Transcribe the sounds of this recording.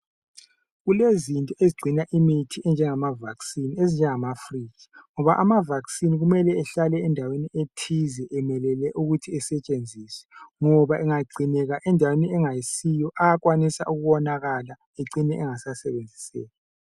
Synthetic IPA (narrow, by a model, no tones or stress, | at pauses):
ɣulezintʼɔeziɡ͡ǀʱinaʔimitʰiɛnd͡ʒʱɛŋamavaksinezind͡ʒʱɛŋamafriːɣḁŋɔβaʔamavaksiniɣumɛlɛɛɬalɛːndʱawenietʰizɛʔɛmɛlɛlɛʔuɣutʰiɛsɛt͡ʃʼend͡zʱiswɛ̥ŋɔβaʔɛŋaɡ͡ǀʱinɛɣaʔɛndʱaweniɛŋajisijɔʔajaɣwanisa̰ʔuɣuwɔnaɣala | eǀʱinɛʔɛŋasasɛβend͡zʱi̥sɛ̰ːla